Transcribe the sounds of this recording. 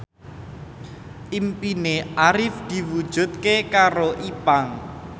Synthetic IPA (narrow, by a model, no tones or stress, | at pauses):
ʔimpineʔaɾɪfd̪̥i̤wud̥ʒ̥ṳt̪̚kekaɾoʔipaŋ